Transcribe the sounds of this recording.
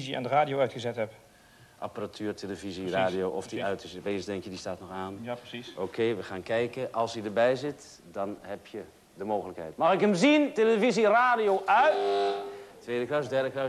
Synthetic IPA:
zia̰ndəraːdijowœɥtχəzɛtɦɛp | ʔa̰paratʰyːrtʰeləviziraːdijoːɔfdiʔœɥtɪsbeːzdɛŋkjədistaːtnɔxaːnʔoːkʰeːʋəxaːnkɛjkəʔɑlˠsidərbɛjzɪt | dɑnɦɛpjə | dəmoːɣələkhɛ̰jtmɑxɪkəmzinteləviziraːdijoːʔœɥt | tʋeːdəklasdɛrdəklɑ

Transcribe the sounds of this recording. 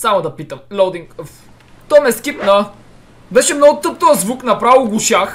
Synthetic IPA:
samod̪ɐpit̪əmlʲowd̪iŋkəf | t̪ɔmɛskipnɐ | bɛʃɛmnɔɡʊt̪ɤp̚t̪ozvuknɐpɾavilˠɡʊʃax

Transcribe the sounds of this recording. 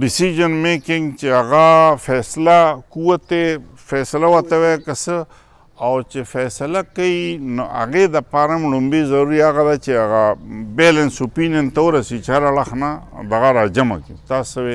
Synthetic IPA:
ɖɪsiʒɐnmekɪ̃ŋɡt͡ʃeaɣafɛslakuwat̪e | fɛsɐlawat̪ɐwekəsə | awt͡ʃefɛsɐlakainoa̰ɣed̪ɐpaːɾamɽumbezɐɾuɾiaɣad̪at͡ʃeaɣabelensopinjɐnt̪aoɾɐsit͡ʃeaɾaɭaxna | d̪ɐɣaɾad͡ʒama̰kḭt̪asɐwe

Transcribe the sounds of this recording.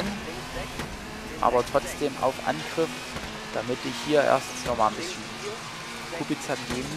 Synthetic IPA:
n | ʔa̰ːbɐtʁ̥ɔt͡sd̥eːmʔa̰ʊfʔa̰nɡʁɪf | d̥amɪtɪçhiːɐʔḛːɐstn̩snɔχmaːnbɪsçən | kʰubit͡sanɡeːm

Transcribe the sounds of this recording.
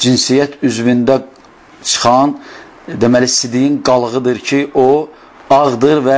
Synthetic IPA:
d͡ʒinsijæt̪ʰyzvind̪æ | t͡ʃʰɯ̥χɑn | d̪emælisid̪ijinɡɑlˠɣɯd̪ɯɾcʰiʔo | ɑʁd̪ɯɾvæ

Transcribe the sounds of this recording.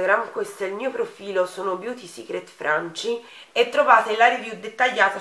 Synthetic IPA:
ɡɾamkwest̪elmiːopɾofiːlosoːnobjuːt̪isḭkɾet̪fɾant͡ʃi | ɛt̪ːɾovaːt̪elaɾivjud̪ːet̪ːaʎːaːt̪a

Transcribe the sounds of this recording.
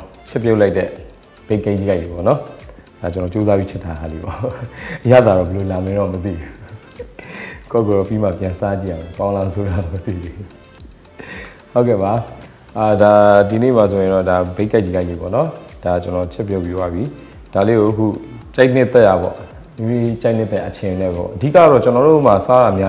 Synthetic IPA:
t͡ɕʰɛpjoʔlaɪtɛ | b̥eɪkːaɪ̃iɡaɪtep̬ɔ̰nɔd̥at͡ɕənɔt͡ɕozabjit͡ɕʰɛt̪ʰaɦalibɔ̰ʔəja̰d̪aɾɔbəlolamɛ̃nɔmət̪̬ḭu | ko̰koɔpima̰pjãsat͡ɕḭjaɛkãʊ̃lãsʰoɾaɾɔmət̪ḭd̪eu | hoʊkɛ̰ba | adadinḛmas̬ʰojɪ̃ndɔdabekaɪt͡ɕːikaɪ̃jḛpɔ̰nɔd̥at͡ɕənɔt͡ɕʰɛpjɔ̃pjowa̰bji | d̥aleɡoʔəkʰṵt͡ɕaɪʔn̥ɪt̪ɛjabɔ̰ | mimit͡ɕaɪʔn̥ɪt̪ːãʔət͡ɕʰɪ̃nɛbɔ̰ʔədḭkaaɾɔt͡ɕənɔɾomasaɾamja

